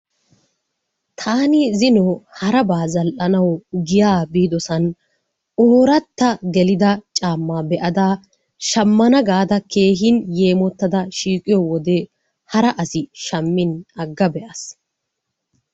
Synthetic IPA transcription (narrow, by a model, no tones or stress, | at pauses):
t̪ʰaːnɪzɪnoːhɐɾɐbaːzɐlʔɐnɐwɡɪjaːbiːd̪ɔsɐn | oːɾɐt̪ːɐɡɛlɪd̪ɐt͡ʃʼaːmːaːbɛʔɐd̪aː | ʃɐmːɐnɐɡaːd̪ɐkʰe̞ːɦɪnje̞ːmɔt̪ːɐd̪ɐʃiːkʼːɪjɔwɔd̪e | hɐɾɐʔɐsɪʃɐmːɪnɐɡːɐbɛʔɐs